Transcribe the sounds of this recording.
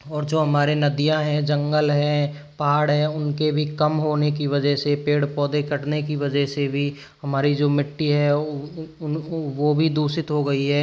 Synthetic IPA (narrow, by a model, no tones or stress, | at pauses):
ɔːɾd͡ʒoːɦɐmaːɾenɐd̪ijãɦɛ̃d͡ʒɐ̃ŋɡəlɦɛ̃ː | paːɽɦɛ̃ʊnkebʱikɐmɦoːnek̬iʋɐd͡ʒəɦsepeːɽpɔːd̪ekɐʈnekiʋɐd͡ʒəɦsebʱi | ɦɐmaːɾid͡ʒoːmɪʈːiɦɛ | ʋobʱid̪uːsɪt̪ɦoɡɐiɦɛː